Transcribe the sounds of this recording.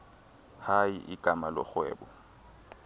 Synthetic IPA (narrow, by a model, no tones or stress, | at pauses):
haiʔɪkʼamalɔχwɛ̰ːbɔ